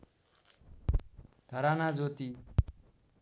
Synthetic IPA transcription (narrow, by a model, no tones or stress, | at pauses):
d̪ʱəɾanad͡zoːt̪i